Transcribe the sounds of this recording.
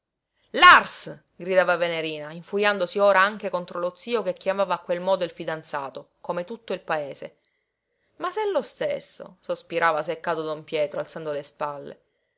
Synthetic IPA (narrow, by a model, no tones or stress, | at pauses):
lars | ɡɾid̪aːvaveneɾiːnaiɱfuɾjand̪osioːɾaaŋk̟ekont̪ɾolot̪siːokekjamaːvaːkːwelmɔːd̪oilfid̪ant̪saːt̪o | komet̪ut̪ːoilpaeːse | masɛlːost̪esːo̰sospiɾʔaːvas̬ekːaːt̪od̪ompjɛːt̪ɾoalt̪sand̪olespalːḛ